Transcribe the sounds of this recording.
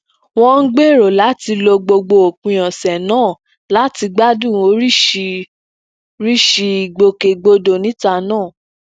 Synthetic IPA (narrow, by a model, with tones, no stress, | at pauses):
w̃ɔ̃˦n̩˦ɡ͡be˦˨ɾo˨la˨˦ti˧lo˧ɡ͡bo˧ɡ͡bo˧o˨kũ˨j̃ɔ̃˨sɛ˨nãː˦˨ | la˨˦ti˧ɡ͡ba˦dũ˦˨o˧˦ɾi˦˧ | ɾi˦ʃi˧i˨ɡ͡bo˧ke˨ɡ͡bo˧do˨nĩ˨˦ta˧nãː˦˨